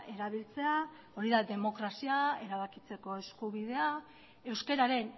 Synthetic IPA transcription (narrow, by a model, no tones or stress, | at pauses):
e̞ɾaβ̞ilt͡se̞a | o̞ɾiðaðe̞mo̞kɾasiae̞ɾaβ̞akit͡se̞ko̞e̞skuβ̞ið̞e̞a | e̞wske̞ɾaɾe̞n